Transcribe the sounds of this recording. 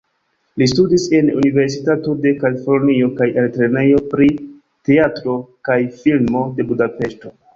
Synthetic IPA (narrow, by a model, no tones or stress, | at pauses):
listudise̞nṵnive̞ɾs̬itato̞de̞kalifo̞ɾnio̞kajaltɾe̞ne̞jo̞pɾi | te̞atɾo̞kajfilmo̞de̞budape̞ʃto̞